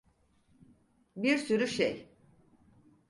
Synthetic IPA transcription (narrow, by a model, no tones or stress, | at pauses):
biɾsyɾyʃḛj